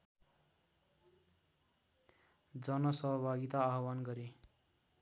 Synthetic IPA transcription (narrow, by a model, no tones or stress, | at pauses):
d͡zʌnʌsʌɦʌbʱaɡit̪aːɦwanɡʌɾe